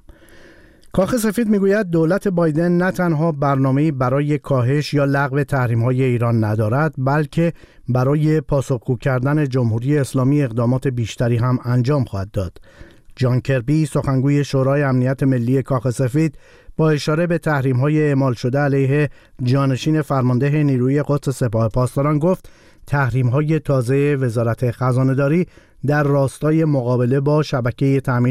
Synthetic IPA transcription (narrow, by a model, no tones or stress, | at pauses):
kʰɒːxe̞se̞fiːd̪miːɡuːjæd̪̚ːoːlæt̪ʰe̞bɒːjd̪e̞nːæt̪ʰænɦɒːbæɾnɒːme̞iːbæɾɒːje̞kʰɒːɦe̞ʃjɒːlæɣve̞t̪ʰæhɾiːmhɒːje̞iːɾɒːnːæd̪ɒːɾæd̪bælcʰe̞ | bæɾɒːje̞pʰɒːso̞xɡ̥uːcʰæɾd̪æne̞d͡ʒomhuɾiːje̞ːslɒːmieɣd̪ɒːmɒːt̪ʰe̞biːʃt̪æɾiːɦæmænd͡ʒɒːmxɒːhæd̪ːɒːd̪̥ | d͡ʒɒːncʰe̞ɾbiso̞xæŋɡuːje̞ʃoːɾɒːjeæmnijæt̪ʰe̞me̞lːiːje̞kʰɒːxe̞se̞fiːd̪̥ | b̥ɒːe̞ʃɒːɾe̞be̞t̪ʰæhɾiːmɦɒːje̞eːmɒːlʃo̞d̪eælejɦe̞ | d͡ʒɒːne̞ʃiːne̞fæɾmɒnd̪eɦe̞niːɾuːije̞ɡot̪se̞se̞pɒːhe̞pʰɒːst̪ɒɾɒnɡo̞ft̪ | t̪ʰːæhɾiːmɦɒːje̞t̪ʰɒːze̞eve̞zɒːɾæt̪ʰe̞xæzɒːne̞d̪ɒːɾiː | d̪æɾːɒːst̪ɒːje̞moɣɒːbe̞le̞bɒːʃæbæcʰe̞jet̪ʰæmiː